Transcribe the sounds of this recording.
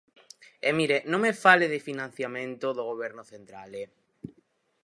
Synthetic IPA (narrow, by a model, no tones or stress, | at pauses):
emiɾenõŋmefaleðɪfinãn̟θjamẽnt̪oðoɣ̞oβ̞ɛɾnoθẽnt̪ɾa̰le